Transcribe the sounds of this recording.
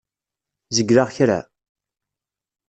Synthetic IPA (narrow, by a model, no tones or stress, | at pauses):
zəɡɾaʁçɾa̰